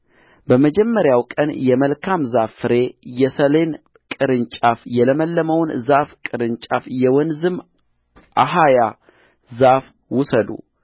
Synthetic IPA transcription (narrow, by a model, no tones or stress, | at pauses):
bəməd͡ʒɛmːəɾjawkʼənjɛməlkʰamzafɨɾe̞jɛsəle̞n | kʼɨɾɨnt͡ʃʼafjɛləməlːəməwnzafkʼɨɾɨnt͡ʃʼafjɛwɔnzɨm | ʔaɦaja | zaf | wʊsəd̪ṵ